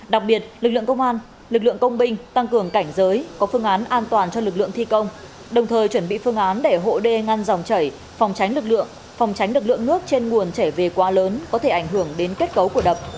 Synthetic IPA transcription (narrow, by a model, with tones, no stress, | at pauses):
ɗa˨˩k̚ɓi˨˩ət̚lɨ˨˩k̚lɨ̰˧əŋkə˧wŋ͡mʔaː˧n | lɨ˨˩k̚lɨ̰˧˨əŋkə˧wŋ͡mɓï˧ŋ̟t̪a˧ŋkɨ˨˩əŋka˧˩jŋ̟zəː˨˦jkɔ˨˦fɨ˧əŋʔaː˨˦nʔaː˧nt̪waː˨˩nt͡ɕɔ˧lɨ˨˩k̚lɨ̰˧˨əŋt̪ʰi˧kə˧wŋ͡m | ɗə˨˩wŋ͡mt̪ʰəː˨˩jt͡ɕwə˧˩nɓḭ˧˨fɨ˧əŋʔaː˨˦nɗe˧˩ɦo̰˧˨ɗe˧ŋa˧nza˨˩wŋ͡mt͡ɕə˧˩j | fwŋ͡mt͡ɕa˨˦jŋ̟lɨ˨˩k̚lɨ̰˧˨əŋ | fa˨˩wŋ͡mt͡ɕa˨˦jŋ̟lɨ˨˩k̚lɨ̰˧˨əŋnɨ˦˥ək̚t͡ɕe˧nŋu˨˩ənt͡ɕɛ˧˩ve˨˩kwaː˨˦ləː˨˦nkɔ˨˦t̪ʰe˧˩ʔa˧˩jŋ̟ɦɨ˧˩əŋɗe˨˦nke˦˥t̚kə˨˦wku˧˩əɗə˨˩p̚